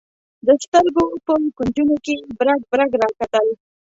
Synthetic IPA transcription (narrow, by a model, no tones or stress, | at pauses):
d̪əst̪əɾɡopəkund͡ʒunokebɾaɡ̚bɾaɡɾɑkat̪əl